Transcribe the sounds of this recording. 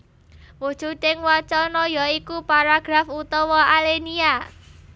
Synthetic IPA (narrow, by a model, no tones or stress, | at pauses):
wud̥ʒ̥utɪŋwɔt͡ʃɔnɔjɔikupaɾaɡ̥ɾafut̪ɔwɔʔalenia